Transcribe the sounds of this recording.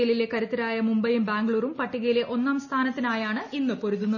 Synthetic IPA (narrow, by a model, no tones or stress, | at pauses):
ɐlile̞kɐɾut̪ːɐɾaːjɐmumbɐjumbaːŋɡɭuːrumpɐʈːiɣɐjile̞ʔo̞nːaːmst̪ʰaːnɐt̪ːinaːjaːɳɨʔinːɨpo̞ɾuðːunːɐ